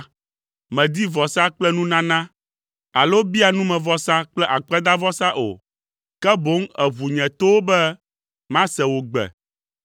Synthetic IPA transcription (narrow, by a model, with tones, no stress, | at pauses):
mɛ̃˨d̪i˦vɔ˨sa˦k͡plɛ˦nũ˦nã˦nã˦ | a˨lo˦bi˦a˨nũ˦mɛ̃˨vɔ˦sa˦k͡plɛ˦ʔa˨k͡pɛ˦d̪a˦vɔ˦sa˦ʔo̰˨ | kɛ˦bo˨˦ŋɛ˨βu˨ɲɛ̃˨t̪o˦wo˦bɛ˦ | mã˦sɛ˨wo˨ɡ͡bɛ̰˨